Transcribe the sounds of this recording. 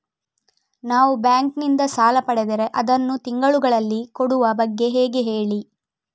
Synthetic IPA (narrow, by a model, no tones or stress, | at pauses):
naːʋubjaːŋknind̪ɐsaːlɐpɐɽed̪eɾe̞ʔɐd̪ɐnːut̪iŋɡɐɭuɡɐɭɐlːikoɽuʋɐbɐɡːe̞ɦeːɡeɦe̞ːɭi